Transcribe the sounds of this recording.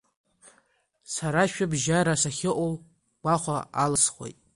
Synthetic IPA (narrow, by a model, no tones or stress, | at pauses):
saɾaʃᶣabʒaɾasaχʲɪʔol | ɡʷaχʷaalɨsχʷo̞̰jtʼ